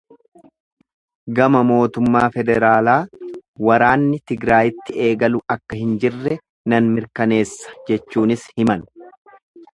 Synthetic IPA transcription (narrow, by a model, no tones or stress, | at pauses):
ɡɐmɐmo̞ːt̪ʊmːaːfɛd̪ɛɾaːlaːwɐɾaːnːɪt̪ɪɡɾaːjɪt̪ːɪe̞ːɡɐlʊɐkːɐhɪnd͡ʒɪrːɛ | nɐnmɪɾkɐne̞ːsːɐ̥d͡ʒɛt͡ʃːuːnɪshɪmɐn